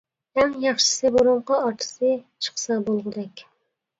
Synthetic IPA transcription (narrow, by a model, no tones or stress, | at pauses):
hɛmjɑχʃɪ̥sɨboɾuɴqɑɑt̪ʰɨ̥sɨt͡ʃʰə̥χsɑbolˠʁəd̪ɛkʲ